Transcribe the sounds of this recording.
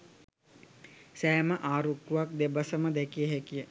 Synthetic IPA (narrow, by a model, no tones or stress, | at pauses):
sæːməʔaːɾukːuʋak̚d̪ebəsəməd̪ɛkijəɦɛkijə